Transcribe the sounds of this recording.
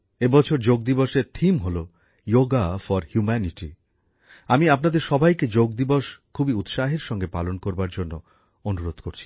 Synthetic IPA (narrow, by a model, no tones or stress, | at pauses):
ebɔt͡ɕʰoɾd͡ʑoɡ̚d̪iboʃeɾt̪ʰimɦolo | joɡafɔɾhjumɛniʈi | amiapnad̪eɾʃɔbʱajked͡ʑoɡ̚d̪iboʃkʰubiut̪ʃaɦeɾʃɔŋɡepalonkoɾbaɾd͡ʑonːo | onuɾod̪ʱkoɾt͡ɕʰi̥